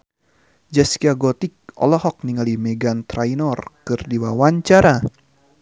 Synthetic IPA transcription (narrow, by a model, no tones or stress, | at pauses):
d͡ʒɛskiaɡɔt̪ik̚ɔ̰lɔɦɔk̚niŋalimɛɡant̪ɾajnɔrkɨrdiwawaɲt͡ʃaɾa